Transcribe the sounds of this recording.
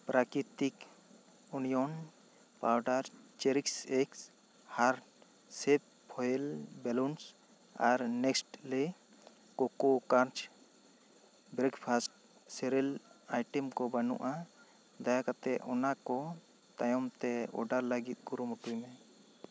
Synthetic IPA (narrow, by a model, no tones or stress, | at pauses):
pɾakɾit̪ik | unijɔn | pawɖaɾt͡ʃɛɾiksɛks | haɾ | sɛp̚ | pʰɔjɛlbɛluns | aɾnɛksʈlɛ | kɔkokaɾt͡ʃ | bɾɛɡpʰasʈ̚ | sɛɾɛlajʈɛmkɔbanṵʔa | d̪ajakat̪ɛɔnakɔ | t̪ajɔmt̪ɛɔ̰ɖaɾlaɡit̪̚ˀɡuɾumuʈujmɛ̃